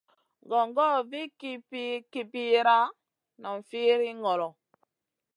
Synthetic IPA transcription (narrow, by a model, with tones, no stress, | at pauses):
ɡɔ˨ŋɡɔ˦vi˦ki˦pi˦ki˨pi˦ɾa˦ | nɔ˨ɱ̩˨fi˦ɾi˦ŋɡɔ˨lɔ˨